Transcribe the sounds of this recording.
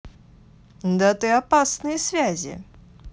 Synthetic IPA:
nd̪at̪ɨapasnɨjəsvʲæzʲɪ̰

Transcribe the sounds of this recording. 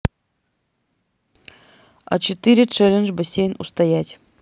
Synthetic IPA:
ɐ̰t͡ɕɪt̪ɨɾʲɪt͡ʂɛlʲənʐbɐsʲejnust̪ɐjætʲ

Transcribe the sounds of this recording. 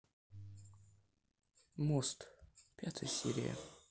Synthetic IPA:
mɔst̪pʲat̪ʰɨjsʲḭɾʲɪ̰ja̰

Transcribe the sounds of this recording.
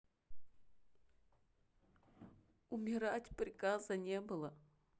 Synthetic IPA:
umʲɪɾatʲprʲɪkazənʲebɨlˠə

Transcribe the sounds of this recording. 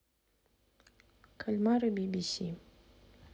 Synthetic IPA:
kʰalʲmaɾɨbʲibʲisʲi

